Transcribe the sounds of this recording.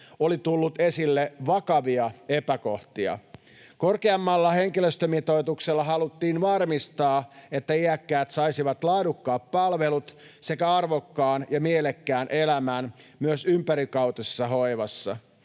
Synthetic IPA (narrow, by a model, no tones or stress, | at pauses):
o̞lit̪ulːut̪e̞silːeʋɑkɑʋiɑe̞pæko̞ht̪iɑ̰ | ko̞rkeɑmːɑlːɑhe̞ŋkiløst̪ømit̪o̞it̪ukselːɑɦɑlut̪ːiːnʋɑrmist̪ɑːe̞t̪ːæiækːæːt̪sɑjsiʋɑt̪lɑːdukːɑːpːɑlʋe̞lut̪ | se̞kæɑrʋokːɑːnjɑmielekːæːnʔelæmæːnmyøsympæɾikɑwt̪esːɑɦoiʋɑsːɑ̰